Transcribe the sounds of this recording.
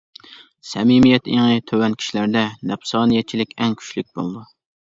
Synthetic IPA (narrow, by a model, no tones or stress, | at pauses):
sɛmimijɛt̪eŋɨt̪ʰøwɛnkʲʰi̥ʃilæɾd̪ɛnɛpsɑːnɨjɛt̪̚t͡ʃʰilɪkʲɛŋkʲʰy̥ʃlyk̚ʲbo̰lˠd̪u